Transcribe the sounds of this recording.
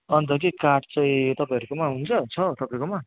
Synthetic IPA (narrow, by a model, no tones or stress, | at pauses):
ʌnt̪ʌkikaʈt͡saĩt̪ʌpaĩɦʌɾukomaɦunt͡sʰʌt͡sʰʌt̪ʌpaĩkoma